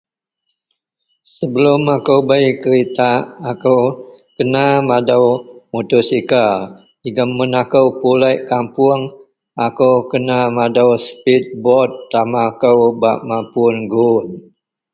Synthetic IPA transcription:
səbəlʊmakəwbajkəɾit̪aːkəwkənamadəwmut̪ʊsika | iɡəmːənakəwpulajʔkampuəŋ | akəwkənamadəwspit̪̚bɔt̪ːamakəwbaʔmampʊənɡun

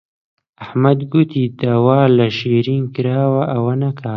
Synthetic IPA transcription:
ahmad̪ɡut̪id̪awɑːlaʃeɾiŋkɾɑːwaʔawanakʰa

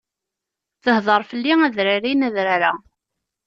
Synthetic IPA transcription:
θəhðˤəɾˤfəlːiæðɾaɾinæðɾaɾa

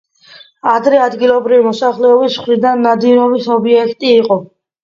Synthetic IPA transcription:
ad̪ɾɛad̪ɡilˠɔbɾivimɔsaχlɛɔbisχɾid̪anːad̪iɾɔbisɔbiɛkʰt̪ʼiːqʼɔ

